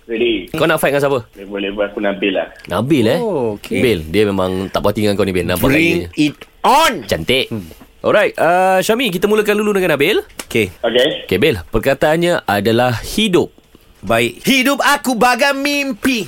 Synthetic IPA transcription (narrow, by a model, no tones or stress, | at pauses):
ɾedikawnaʔfajt̚ŋãnsapəebolɛhbəakunabɪlahnabɪlɛokʰebɪldiəmemãŋt̪aʔpat̪iŋãŋkawnibɪlnãmbpaɾiŋɲəit̪̚ | ɔnt͡ʃant̪eʔʔɔ̰lɾajt̚aʃamik̬it̪amuləkanduludəŋãnabɪlokeoɡeokebɪlpərkat̪aʔanɲaʔadalahhidʊp̚ | baɪʔ̚hidʊp̚akubaɡamimpi